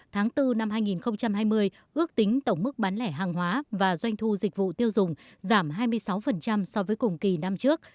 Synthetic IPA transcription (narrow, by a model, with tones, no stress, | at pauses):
t̪ʰaː˨˦ŋt̪ɨ˧na˧mhaː˧jŋi˨˩nxə˧wŋ͡mt͡ɕa˧mhaː˧jmɨ˧əj | ʔɨ˦˥ək̚t̪ï˨˦ŋ̟t̪ə˧˩wŋ͡mmɨ˦˥k̚ɓaː˨˦nlɛ˧˩ɦaː˨˩ŋɦwaː˨˦vaː˨˩zwa˧jŋ̟t̪ʰu˧zï˨˩k̟̚vṵ˧˨t̪i˧əwzʊ˨˩ŋ͡mzaː˧˩mɦaː˧jmɨ˧əjsa˨˦wfə˨˩nt͡ɕa˧msɔ˧vəː˨˦jkʊ˨˩ŋ͡mki˨˩na˧mt͡ɕɨ˦˥ək̚